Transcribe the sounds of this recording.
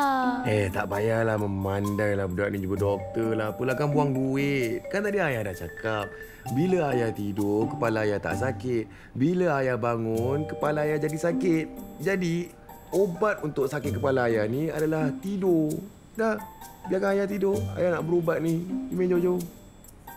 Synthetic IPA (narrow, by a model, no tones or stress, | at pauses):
ɛht̪a̰ʔbajarlahməmandajlahbədaʔnid͡ʒuɡədɔk̚t̪əlahpulakanbuaŋɡuɪt̪̚kant̪adiajadaʔt͡ʃakap̚ | biləajat̪idokəpalaːjat̪a̰ʔsakɪt̪̚ | biləajabaŋʊnkəpalaːjad͡ʒadisakɪt̪̚d͡ʒadi | obat̪̚unt̪ʊksakɪt̪̚kəpalaːjaniadalaht̪ido | dahbiakaŋajat̪idoa̰janaʔbəɾobat̪̚niimend͡ʒod͡ʒo